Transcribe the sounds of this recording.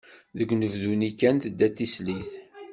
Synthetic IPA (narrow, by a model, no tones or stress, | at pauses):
ðəɡʷnəvðunikænt̪d̪ːæt̪ːisliθ